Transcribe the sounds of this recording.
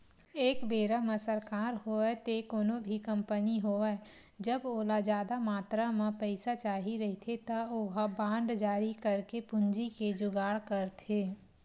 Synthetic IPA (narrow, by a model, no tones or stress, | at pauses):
eːkbeːɾamẽsəɾkaːɾɦoːɛt̪ekoːnobʱikɐ̃mpəniɦoːɛ | d͡ʒəboːlad͡ʒjaːd̪amaːt̪ɾamẽpɛɪsat͡ʃaːɦiɾɐɦit̪ʰet̪ɐoːɦabãːɳɖd͡ʒaːɾikɐɾkepʊ̃ɲd͡ʒiked͡ʒʊɡaːɽkɐɾt̪ʰeː